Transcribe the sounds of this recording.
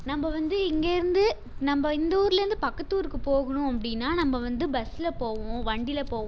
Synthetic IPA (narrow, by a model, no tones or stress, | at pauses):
nɐmbɐʋɐnd̪ɯɪŋɡeːɪɾɯnd̪ɯ | nɐmbɐɪnd̪ɐuːɾɪlɐɾɯnd̪ɯpɐkːɐt̪ːuːɾkɯpoːɣɐɳʊ̃ɐpːɐɽɪnːaːnɐmːɐʋɐnd̪ɯbɐsɪlɐpoːʋõʋɐɳɖɪlɐpoːʋ̃